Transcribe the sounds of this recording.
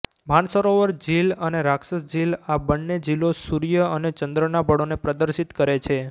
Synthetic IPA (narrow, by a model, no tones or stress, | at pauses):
mʱansəɾoʋəɾd͡ʒiləneɾaksəsd͡ʒilabənːed͡ʒilosuɾijəənet͡ʃənd̪ɾənabəɽonepɾəd̪əɾʃit̪kəɾet͡ʃʰe